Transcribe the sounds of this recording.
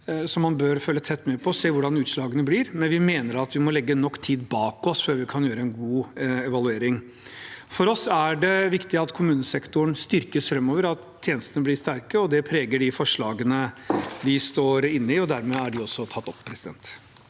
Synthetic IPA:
sɔmːɑnbøːɾføːlːət̪ʰɛt̪ːmeːpʰɔseːʋʊɖɑnʉːt̪ʂɭɑːɡənəblɪɾmɛnʋɪmeːnəɾɑt̪ʋɪmɔlɛɡːənɔkːt̪ʰiːd̪bɑːkɔsføːɾʋɪkʰɑnjøːɾəɛnɡuːɛʋɑlʉeːɾɪŋ | fɔɾɔsæɖɛʋɪkt̪ɪɑt̪kʰʊmʉːnəsɛkt̪ʊənst̪ʏɾkəsfɾɛmːoːʋəɾɑt̪ʰːjeːnəst̪ənəblɪst̪æɾkəɔd̪ɛpʰɾeːɡəɖɪfɔʂɭɑːɡənəʋɪst̪oːɾɪnːəɪɔd̪æɾmɛæɖɪɔsːɔt̪ʰɑt̪ːɔpʰːɾɛsɪd̪ɛ̰nt̪

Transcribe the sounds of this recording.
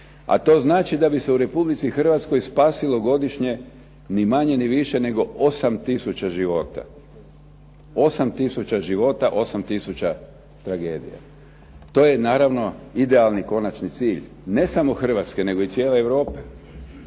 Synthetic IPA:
a̰t̪o̞ːznaːt͡ʃid̪abise̞uɾe̞publit̪sixr̩ʋat̪sko̞jspaːsilˠo̞ɡo̞d̪iʃɲe̞ | nimaɲe̞niʋiʃe̞ne̞ɡo̞osamt̪isut͡ɕaʒiʋo̞ːt̪a̰ | o̞samt̪isut͡ɕaʒiʋo̞t̪aʔo̞samt̪isut͡ɕa | t̪ɾaɡe̞̰ːd̪ḭja̰ | t̪o̞ːje̞naːɾaʋno̞id̪e̞alˠniko̞nat͡ʃnit̪siːʎ | ne̞samo̞xr̩ʋat̪ske̞ne̞ɡo̞it̪sje̞ːleeʋɾo̞ːpe

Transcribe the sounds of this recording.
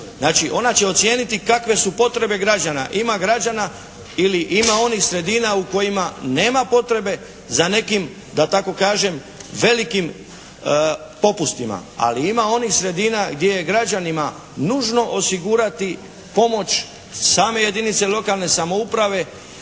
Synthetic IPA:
znaːt͡ʃiʔo̞nat͡ɕe̞o̞t̪sje̞ːnit̪ikakʋe̞supo̞t̪ɾe̞be̞ɡɾad͡ʑana̰ʔimaɡɾad͡ʒana | iliʔimao̞nixsɾe̞d̪iːnauko̞jimane̞ːmapo̞t̪ɾe̞be̞ | zane̞kim | d̪at̪ako̞kaːʒe̞m | ʋe̞likim | po̞pust̪ima̰a̰liimao̞nixsɾe̞d̪iːnaɡd̪je̞je̞ɡɾad͡ʒanima | nuːʒno̞ʔosiɡuːɾat̪i | po̞mo̞t͡ɕ | saːme̞je̞d̪init̪se̞lo̞kalˠne̞samo̞upɾaʋe̞

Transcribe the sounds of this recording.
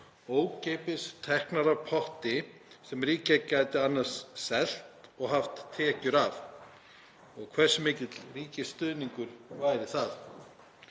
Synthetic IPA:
oːwcejpɪst̪ʰɛhknaɾavpʰɔht̪ɪsɛmriːcacajt̪ɪanːaɾ̥ssɛl̥t̪ɔɣɦaft̪ʰːɛːcʏɾav | ɔɣkʰvɛ̥sʏmɪːcɪt̪l̥riːcɪst̪ʏðniŋkʏɾ̥vaːjɾɪθaθ

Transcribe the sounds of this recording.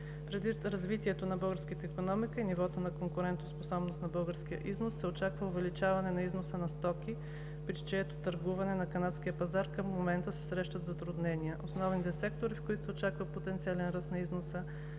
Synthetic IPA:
pɾɛd̪iɾɐzvit̪iɛt̪onɐbɤlˠɡəɾskət̪əikonɔmikəinivɔt̪onɐkoŋkʊɾɛnt̪osposɔbnosnɐbɤlˠɡəɾsk̟ijə̰ʔiznosːɛot͡ʃakvəʊvɛlit͡ʃavɐnɛnɐiznosənɐst̪ɔkʲi | pɾit͡ʃɛt̪o̥t̪ɐɾɡuvɐnɛnɐkɐnat̪sk̟ʲiəpɐzaɾkəmːomɛnt̪əsɛ̥sɾɛʃt̪ɐt̪zɐt̪ɾʊd̪nɛniəʔosnɔvnit̪ɛsɛkt̪oɾifkoit̪ʊsɛot͡ʃakvəpot̪ɛnt̪sialɛnɾəsnɐiznosə

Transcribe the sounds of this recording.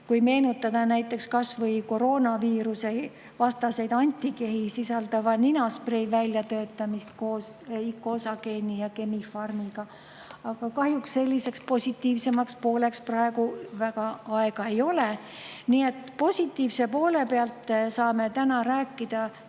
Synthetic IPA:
kujme̞ːnut̪ːˑɑd̪̥ɑnæjt̪ːˑe̞kskɑsvɤjko̞ɾo̞ːnɑviːɾuse̞j | vɑst̪ɑse̞jd̪ɑnʲt̪ːike̞ɦisisɑld̪̥ɑvɑninosprejvælʲjɑt̪ø̞ːt̪ˑːɑmist̪̚ko̞ːs | ikːˑosɑke̞ːnʲijɑke̞mifɑrmiɡ̥ɑ | ɑɡ̥ɑkɑɦjuksse̞lʲːise̞kspo̞sʲit̪ːˑiːvse̞mɑkspo̞ːle̞ksprɑe̞ɡ̥uvæɡ̥ɑɑeɡ̥ɑe̞jo̞le | niːe̞t̪po̞sʲit̪ːˑiːvse̞po̞ːle̞peɑlt̪sɑːme̞t̪ænɑɾæːkˑːid̪̥ɑ

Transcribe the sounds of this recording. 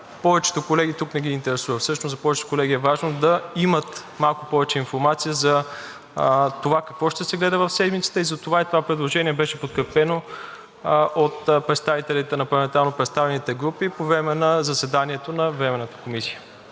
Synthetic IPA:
pɔvɛt͡ʃɛ̥t̪okolɛɡit̪uknɛɡ̟iːnt̪ɛɾɛsuvəfsɤʃnoszɐpɔvɛt͡ʃɛt̪o̥kolɛɡʲiɛvaʒnod̪ɐimət̪malˠkʊpɔvɛt͡ʃɛinfoɾmat̪sijəzɐ | t̪ovakɐkvɔʃt̪ɛsɛɡlɛd̪əvəfsɛd̪mit̪sə̥t̪əizɐt̪ovait̪ovapɾɛd̪lˠoʒɛniɛbɛʃɛpot̪̚kɾɛpɛno | ʔot̪pɾɛt̪st̪avit̪ɛlit̪ɛnɐpɾlˠɐmɛnt̪aɾˠnopɾɛt̪st̪avɛnit̪ɛɡɾupipovɾɛmɛnɐzɐsɛd̪aniɛt̪onɐvɾɛmɛnət̪ə̥komisi̥jə

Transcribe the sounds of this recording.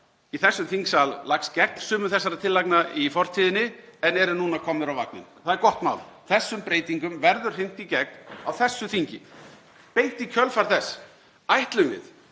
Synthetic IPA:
iθɛsːʏmθiŋksallːakscɛk̚n̥sʏːmʏθɛsːaɾat̪ʰɪlːajknaifɔr̥t̪ʰiːðɪnɪɛnɛɾʏnuːnakʰɔmːʏɾawva̰knɪ̰nθaðɛɾkɔht̪ma̰ːwlθɛsːʏmpɾeːjt̪iŋkʏmvɛɾðʏɾ̥ɪn̥t̪icɛk̚nawθɛsːʏθiɲcɪ | peːjt̪icʰœlfaɾ̥θɛs | ajht̪lʏmvɪ̰ð

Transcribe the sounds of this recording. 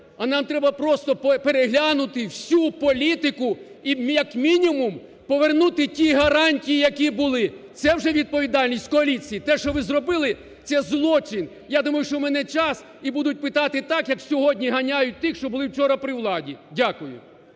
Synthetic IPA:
ɐnɑmt̪ɾɛbɐpɾɔst̪ɔppeɾeɦlʲanʊt̪ɪwsʲupɔlʲit̪ɪkʊ | ijɐkmʲinʲimum | pɔʋernut̪ɪtʲiɦɐɾɑnʲtʲijijɐkʲibʊlˠɪt̪sɛwʒɛʋʲid̪̚pɔʋʲid̪ɑlʲnʲisʲtʲkɔɐlʲit͡sʲijit̪ɛʃt͡ʃɔʋɪzrɔbɪlˠɪ | t̪sɛzlˠɔt͡ʃɪn | jad̪umɐjʊʃt͡ʃɔmɛnɛt͡ʃɑs | ibud̪ʊt̚ʲpɪt̪ɑt̪ɪt̪ɑkjɐksʲɔɦɔdʲnʲiɦɐnʲajʊt̚ʲt̪ɪxʃt͡ʃɔbʊlˠɪwt͡ʃɔɾɐpɾɪwlˠɑdʲidʲakʊjʊ̰

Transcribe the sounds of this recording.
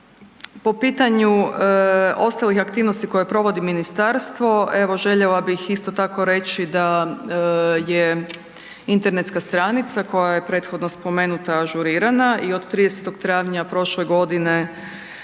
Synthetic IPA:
po̞piːt̪aɲu | o̞st̪alixakt̪iːʋnost̪iko̞je̞pɾo̞ʋo̞d̪iminist̪aɾst̪ʋo̞e̞ʋo̞ʒe̞ʎelabixist̪o̞t̪ako̞ɾe̞t͡ʃid̪a | je | int̪e̞ɾne̞t̪skast̪ɾanit̪sako̞jaje̞pɾe̞t̪xo̞d̪no̞spo̞me̞nut̪aʒuɾiːɾanaʔio̞d̪t̪ɾid̪eset̪o̞ɡt̪ɾaːʋɲapɾo̞ʃleɡo̞d̪ine̞

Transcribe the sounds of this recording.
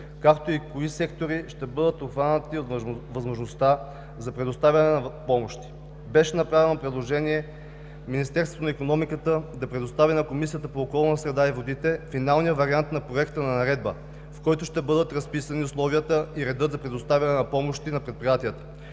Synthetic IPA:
kakt̪oikoisɛkt̪oɾiʃt̪ɛbɤd̪ət̪opxɾanət̪iot̪vɐzmoʒnost̪a | zɐpɾɛd̪ost̪avʲɐnɛnɐpɔmoʃt̪i̥ | bɛʃɛnɐpɾavɛnopɾɛd̪lˠoʒɛniɛ | minist̪ɛɾst̪vo̥t̪onikonɔmikət̪əd̪ɐpɾɛd̪ost̪avinɐkomis̬ijət̪əpoːkɔlˠnəsɾɛd̪aivod̪it̪ɛfinalˠnijəvɐɾiant̪nɐpɾoɛkt̪ənɐnɐɾɛd̪̚bə | fkɔjt̪oʃt̪ɛbɤd̪ət̪ɾɐspisɐniʊslˠɔviət̪əiɾɛd̪ɤt̪zɐpɾɛd̪ost̪avʲɐnɛnɐpɔmoʃt̪inɐpɾɛt̪̚pɾijat̪iət̪ə̥

